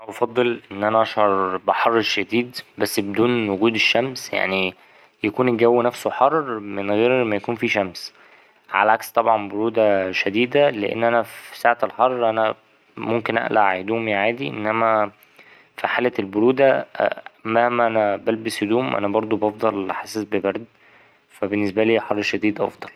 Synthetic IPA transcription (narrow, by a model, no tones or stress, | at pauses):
æbɑfɑd̪ˤːelʔenːʔænæʔæʃʕɑɾˤbeħɑrˤːeɾʃæd̪iːd̪bæsːbed̪uːnwoɡuːd̪eʃːæmsja̰ʕni | jækuːnɡæwːinæfsoħɑrˤːmenɣeːɾmæjækuːnfiːʃæms | ʕa̰læʕakst̪ˤɑbʕɑnboɾuːd̪æʃæd̪iːd̪æleʔḛnːʔænæfisaːʕt̪elħɑrˤːʔænæ | momkenʔæ̰ʔla̰ʕhed̪uːmiʕaːd̪iʔḛnːʔæmæ | fiħaːlælboɾuːd̪æ̰ | mæhmːæʔænæbælbeshed̪uːmʔæ̰næbɑɾˤd̪ˤobɑfd̪ˤɑlħasːesbebæɾd̪ | fæbenːesbæliːħɑrˤːʃæd̪iːd̪ʔɑ̰fd̪ˤɑl